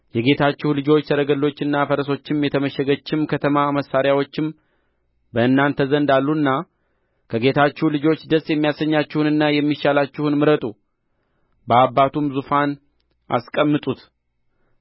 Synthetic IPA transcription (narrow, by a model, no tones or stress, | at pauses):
jɛɡe̞t̪ʰat͡ʃːɪhulɨd͡ʒo̞t͡ʃːt̪ʰəɾəɡəlːo̞t͡ʃːɨnːafəɾəso̞t͡ʃːɪmjɛt̪ʰəməʃɛɡət͡ʃːɪmkʰət̪ʰəmaməsːaɾjawo̞t͡ʃːɪm | bəɨnːant̪ʰəzənd̪alːuɨnːa | kʰəɡe̞t̪ʰat͡ʃːɛhlɨd͡ʒo̞t͡ʃːd̪əsjɛmːijasəɲːat͡ʃːɪhunɨnːajɛmːiʃalat͡ʃːɪhunmɨɾət̪ʼu | bəabːat̪ʰumzufan | ʔa̰skʼəmːɨt̪ʼut̪